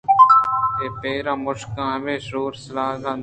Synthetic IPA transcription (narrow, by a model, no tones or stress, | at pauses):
t̪eːpeːɾãːmʊʃkãːʋeːʃoːɾsəlaːɡãː